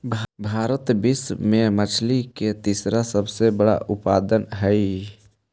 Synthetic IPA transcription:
bʱaːɾət̪bismemət͡ʃʰliket̪isɾasəbsebəɽa̰ʔʊpa̰ːd̪ənɦəi

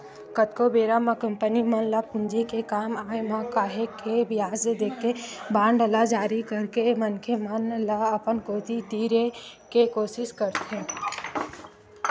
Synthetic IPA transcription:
kət̪kobeːɾamãkəmpənimənlapʊnd͡ʒikekaːmaːemakaːɦekʰebɪjaːsed̪eːkʰːebãːɳɖəlad͡ʒaːɾikəɾkemənkʰemənlaəpənkoːt̪id̪iːɾekekoːsɪʃkəɾt̪ʰẽ

